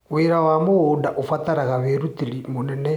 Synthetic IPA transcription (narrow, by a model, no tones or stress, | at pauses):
weɾawamoɣodaʔofataɾaɣaβeɾutiɾimonɛnɛ